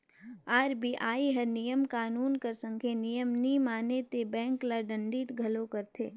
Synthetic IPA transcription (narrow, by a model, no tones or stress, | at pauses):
aːɾbiʔaːiɦɐɾnijəmkaːnuːnkɐɾsə̃ŋkʰenijəmnimaːnet̪ebɛ̃ːŋklaɖə̃ɳɖiːt̪ɡʱɐlokɐɾt̪ʰeː